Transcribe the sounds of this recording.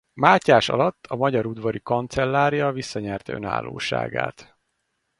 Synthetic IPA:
maːcaːʃɒ̰lɒt̪ːɒmɒɟɒɾud̪vɒɾikont̪sɛlːaːɾijɒvisːɒɲɛrt̪ø̞̰na̰ːlːo̰ːʃa̰ːɡa̰ːt̪

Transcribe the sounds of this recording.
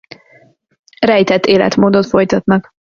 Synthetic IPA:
rɛjt̪ɛt̪ːeːlɛ̰t̪moːd̪ot̪fo̞jt̪ɒt̪nɒɡ

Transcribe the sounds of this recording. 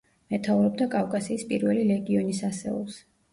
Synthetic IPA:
mɛt̪ʰauɾɔb̚d̪akʼavkʼasiːspʼiɾvɛlilɛɡiɔnisasɛ̰ɔ̰lˠs

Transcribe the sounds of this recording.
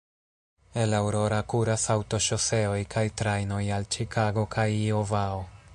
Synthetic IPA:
elawɾo̞ɾakuɾasawto̞ʃo̞se̞o̞jkʰajtɾajno̞jalt͡ʃikʰaɡo̞kʰajiovao

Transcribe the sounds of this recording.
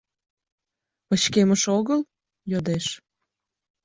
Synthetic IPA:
pət͡ɕkeməʃoɣəl | jod̪eʃ

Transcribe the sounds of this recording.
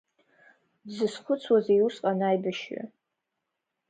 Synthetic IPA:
zɨsχʷʊt͡sʰwazejusqʼanajbaʃɪ̰

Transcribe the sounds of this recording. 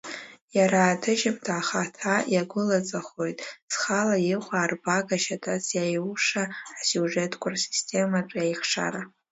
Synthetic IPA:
jaɾaːdʰɨʒɪmdʰʼaːχatʰajaɡʷʊlat͡sʼaχo̞jtʼsχalajɪχʷaːrbaɡaʃatʰʼasjajuʂaːsjuʐe̞tʰkʷʼarsi̥stʰe̞mat͡ʃʷʼjajχʂa̰ɾa

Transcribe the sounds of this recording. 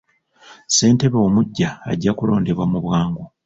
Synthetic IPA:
se̞ːnte̞βeomuɟːa̰ːɟːakulo̞ːndeβwamuβwaːŋɡo

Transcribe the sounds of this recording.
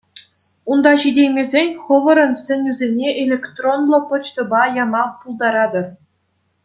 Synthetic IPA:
und̪ɑɕidʲejʲmʲezʲenʲχɤ̆ʋɤ̆ɾɤ̆nsʲɘ̆nʲyzʲenʲeʔelʲekt̪ronlˠɤ̆pɤ̆t͡ɕt̪ɤ̆bɑjɑmɑpulˠd̪ɑɾɑd̪ɤ̆r

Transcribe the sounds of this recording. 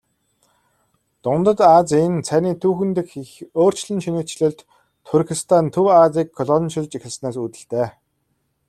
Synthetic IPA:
t̪ʊnt̪ə̆t̪at͡sent͡sʰæniːt̪ʰuːxɘ̆nt̪ɘ̆xixoːr̥t͡ɕɮɘ̆nʃinuːkt͡ɕɮʊ̆ːɮt̪ | t̪ʰurxist̪ʰant̪ʰɵwat͡siːkʰːɔɮɔnʃɪ̆ɮt͡ɕixɪ̆ɮsnaːsut̪ɘ̆ɬt̪eː

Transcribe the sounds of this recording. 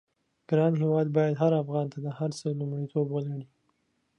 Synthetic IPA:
ɡ̥ɾɑnɦɪwɑd̪bɑjad̪ɦaɾafɣɑnt̪ad̪əhaɾsəlumɽit̪ʰobwəlaɽi

